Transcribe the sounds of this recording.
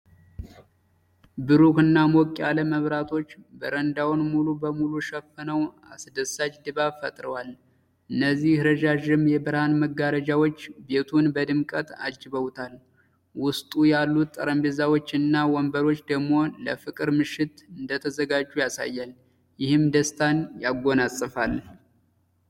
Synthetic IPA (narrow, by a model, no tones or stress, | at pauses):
bɨɾukɨnːamokʼjaləməβɾat̪ʰo̞t͡ʃːbəɾənd̪awnmulubəmuluʃəfːənəw | a̰sd̪əsad͡ʒd̪ɨβafət̪ʼɾəwal | ʔɨnːəzːihɾəʒaʒɪmjɛbəɾhanməɡːaɾəd͡ʒawot͡ʃːbe̞t̪ʰunbəd̪ɨmkʼət̪a̰d͡ʒɨβəwt̪ʰal | wʊst̪ʼujalːut̪ʼːəɾəmbezawot͡ʃːɨnːawɔmbəɾo̞t͡ʃːd̪əɡmo̞ləfɨkʼɨɾmɨʃːɪt̪ɨnd̪ət̪ʰəzəɡad͡ʒːujasa̰jːal | jɪhɨmd̪əst̪ʰanjaɡːo̞nasʼɨfal